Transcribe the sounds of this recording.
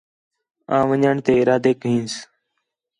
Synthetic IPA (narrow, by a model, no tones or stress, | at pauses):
ãːʋəɲaːɳt̪eːɪɾaːd̪eːkɦĩːns